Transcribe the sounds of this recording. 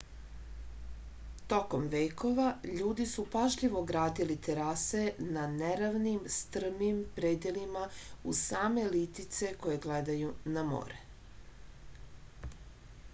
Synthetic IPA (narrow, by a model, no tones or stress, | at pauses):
t̪o̞ko̞mʋejko̞ʋaʎuːd̪isupaʒʎiʋo̞ɡɾaːd̪ilit̪eɾase̞naneɾaʋnimst̪r̩mimpɾed̪jelimausaːme̞lit̪it̪se̞ko̞je̞ɡled̪ajunamo̰ɾe